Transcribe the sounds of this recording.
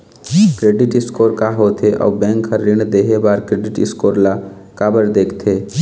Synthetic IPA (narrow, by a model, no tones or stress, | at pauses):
kɾeːɖɪʈɪskoːɾkaɦoːt̪ʰeʔɔ̰ːbɛ̃ːŋkhəɾːiɳd̪eːɦebaːɾkɾeːɖɪʈɪ̰skoːɾla | kaːbəɾd̪eːkʰt̪ʰeː